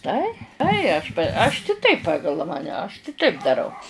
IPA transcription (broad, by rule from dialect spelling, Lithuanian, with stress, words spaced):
ˈtɐɪ ˈtɐɪ ɐʃ p ɐʃ tʲɪ ˈtɐɪp ˈpɑːɡɐlˠ ˈmɑːnʲɛ ˈɐʃ kʲɪˈtɐɪp dɐˈrɐʊ